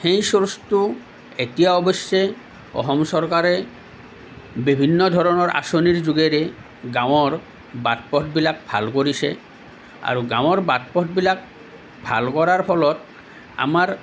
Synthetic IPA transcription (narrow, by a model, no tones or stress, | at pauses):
hej̃soɾst̪u | et̪ijaɔbɔsːe | ɔ̰ɦɔmsɔɾkaɾe | bibʱinːɔd̪ʱɔɾɔnɔɾʔa̰soniɾd͡ʒuɡeɾe | ɡawɔɾ | bat̪̚pɔtbilak̚bʱa̰lkoɾise | a̰ɾuɡaw̃ɔɾbat̪̚pɔt̚bilak̚ | bʱa̰lkɔɾaɾpʰɔlɔt̪ | a̰maɾ